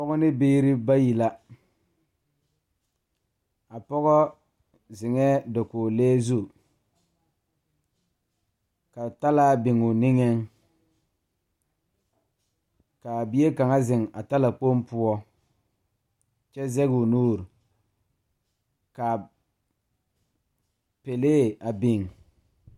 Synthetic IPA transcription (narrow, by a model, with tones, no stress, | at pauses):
pɔ˦ɣɔ˦nɪ˦beː˦ɾɪ˦ba˦ji˨la˦ | a˨pɔ˦ɣɔ˦ | zɪ˨ŋɛ˦dɔ˨koː˨lɛː˦zu˦˨ | ka˨ta˦la˦bɪ˨ŋʊ˨nɪ˦ŋɛ˦ŋ | ka˨bi˦e˦ka˨ŋa˦zɪ˨ŋa˨ta˦la˨k͡po˦mpʊ˦ɔ˦ | t͡ʃɛ˦zɛ˦ɡu˨nuː˦˨ɾ | ka˨ | pe˨leː˦a˨bɪ˨ŋ